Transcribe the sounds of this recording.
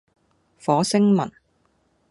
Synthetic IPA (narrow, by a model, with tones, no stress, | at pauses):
fɔː˨˥sɪ˥ŋmɐ˨˩n